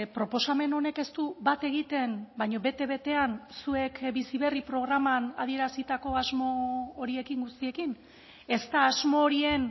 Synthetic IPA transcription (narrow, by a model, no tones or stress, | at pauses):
pɾo̞po̞same̞no̞ne̞ke̞st̪ubat̪e̞ɣ̞it̪e̞mbajɲo̞βe̞t̪e̞βe̞t̪e̞ansue̞kbisiβ̞e̞ripɾo̞ɣ̞ɾamanað̞ie̞ɾasit̪ako̞azmo̞ːɾie̞kiŋɡust̪ie̞kin | e̞st̪aːzmo̞ːɾien